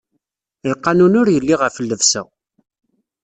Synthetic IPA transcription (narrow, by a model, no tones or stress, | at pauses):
lqːanunʊɾjəlːiʁəfəlːəvsæ̰